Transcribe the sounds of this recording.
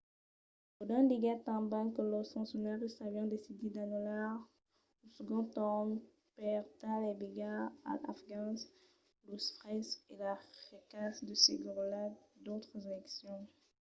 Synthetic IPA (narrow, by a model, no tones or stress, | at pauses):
od̪ãdiɡat̪ɑ̃bãkələsɑ̃sjɔnaʁist̪avjɑ̃d̪esid̪ed̪anɔlaʁ | osəɡɔ̃t̪ɔm | pɛʁt̪alɛbiɡaa̰la̰fɡɑ̃s | lusfʁɛselafikasd̪əseɡʁlad̪ot̪χəzelɛksjɔ̃